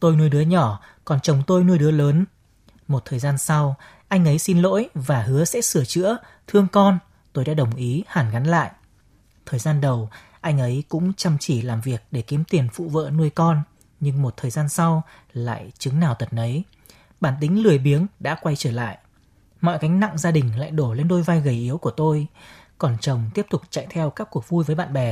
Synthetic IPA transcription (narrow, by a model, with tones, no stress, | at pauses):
t̪o˧jnu˧əjɗɨ˨˦əɲɔ˧˩kɔ˨˩nt͡ɕə˨˩wŋ͡mt̪o˧jnu˧əjɗɨ˨˦ələː˨˦n | mo˨˩t̚t̪ʰəː˨˩jzaː˧nsa˧w | ʔa˧jŋ̟ʔə˨˦jsi˧nlo̰˧˥jvaː˨˩ɦɨ˨˦əsɛ̰˧˥sɨ˧˩ət͡ɕɨ̰˧˥ə | t̪ʰɨ˧əŋkɔ˧n | t̪o˧jɗa̰ː˧˥ɗə˨˩wŋ͡mʔi˨˦haː˨˩nɣa˨˦nla̰ː˧˨jʔ | t̪ʰəː˨˩jzaː˧nɗə˨˩w | ʔa˧jŋʔə˨˦jkʊ̰˧˥ŋ͡mt͡ɕə˧˩mt͡ɕi˧˩laː˨˩mvi˨˩ək̚ɗe˧˩ki˨˦əmt̪i˨˩ənfṵ˧˨və̰ː˧˨nu˧əjkɔ˧n | ɲɨ˧ŋmo˨˩t̚t̪ʰəː˨˩jzaː˧nsa˧w | la̰ː˧˨jt͡ɕɨ˨˦ŋnaː˨˩wt̪ə˨˩t̚ʔə˨˦j | ɓaː˧˩nt̪ï˨˦ŋ̟lɨ˨˩əjɓi˨˦ənɗa̰ː˧˥kwa˧jt͡ɕəː˧˩la̰ː˧˨j | mɔ̰˧˨jka˨˦jŋ̟na̰˧˨ŋzaː˧ɗï˨˩ŋ̟la̰ː˧˨jɗo˧˩le˧nɗo˧jvaː˧jɣə˨˩jʔi˨˦əwku˧˩ət̪o˧j | kɔ˨˩nt͡ɕə˨˩wŋ͡mt̪i˦˥əp̚t̪ʊ˨˩k͡p̚t͡ɕa̰˧˨jt̪ʰɛ˧wkaː˦˥kːu˨˩ək̚vu˧jvəː˨˦jɓa̰ː˧˨nɓɛ˨˩